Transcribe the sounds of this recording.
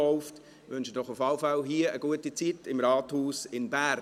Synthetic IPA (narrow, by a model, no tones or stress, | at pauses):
ɔʊft | ʋʏnʃədɔχʊfɑlfalɦiːəəɡuətit͡sitɪmɾɑːthuːsɪnbæːɾ